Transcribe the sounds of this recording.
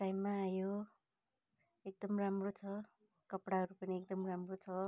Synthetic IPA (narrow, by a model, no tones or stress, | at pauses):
ʈajmːaːjo | ek̚d̪ʌmramrot͡sʰʌ | kʌpɽaʌɾupʌniek̚d̪ʌmramrot͡sʰʌ